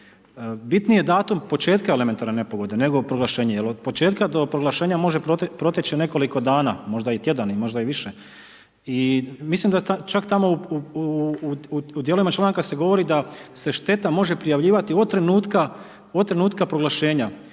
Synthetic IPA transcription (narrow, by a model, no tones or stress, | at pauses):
bit̪nije̞d̪aːt̪umpo̞t͡ʃe̞ːt̪kaele̞ment̪aɾnene̞po̞ɡo̞d̪e̞ne̞ɡo̞pɾoɡlˠaʃe̞ːɲejelod̪po̞t͡ʃe̞ːt̪kad̪o̞pɾoɡlaʃe̞ːɲamo̞ʒepɾot̪pɾo̞t̪et͡ʃine̞ko̞liko̞d̪aːnamo̞ʒd̪ait̪je̞d̪animo̞ʒd̪aiʋiʃe | imislimd̪aat͡ʃakt̪amo̞u | ud̪je̞lo̞ʋimat͡ʃlˠaːŋkase̞ɡo̞ʋo̞ɾid̪ase̞ʃt̪e̞t̪amo̞ʒe̞pɾijaʋʎiːʋat̪iod̪̚t̪ːɾe̞nuːt̪ka | od̪t̪ɾe̞nuːt̪kapɾoɡlˠaʃe̞ːɲa